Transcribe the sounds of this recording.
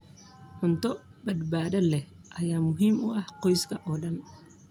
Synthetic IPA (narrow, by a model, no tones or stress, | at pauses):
ħʊnt̪ʰɔbɐd̪baːðɐlɛ | ʔɐjaːmʊɦiːmʊʔɐhqɔjskʰɐʔɔːɗɐn